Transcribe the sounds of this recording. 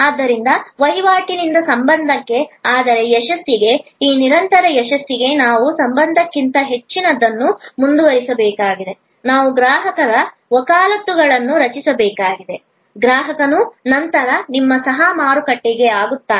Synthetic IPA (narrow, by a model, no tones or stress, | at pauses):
aːd̪ːɐɾind̪ɐʋɐɦiʋaːʈinind̪ɐsɐmbɐnd̪ʱɐkːe̞aːd̪ɐɾe̞jɛʃɐst̪iɡe̞iːniɾɐnt̪ɐɾɐjɛʃɐst̪iɡe̞naːʋusɐmbɐnd̪ʱɐkːint̪ɐɦe̞t͡ʃːinɐd̪ːɐnːumund̪uʋɐɾisɐbɛːkaːɡid̪e̞ | naːʋuɡɾaːɦɐkɐɾɐ | ʋɐkaːlɐt̪ːuɡɐɭɐnːuɾɐt͡ʃisɐbɛːkaːɡid̪e̞ | ɡɾaːɦɐkɐnunɐnt̪ɐɾɐnimːɐsɐɦɐmaːɾukɐʈːiɡe̞aːɡut̪ːaː